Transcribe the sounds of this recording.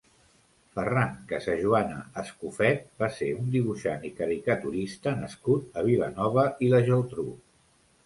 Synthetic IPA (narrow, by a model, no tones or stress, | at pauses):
fəraŋkəsəʒuanəːskufɛt̪̚baseund̪iβ̞uʃa̰nikəɾikət̪uɾist̪ənəskut̪əβ̞ilənɔβəiləʒəlt̪ɾu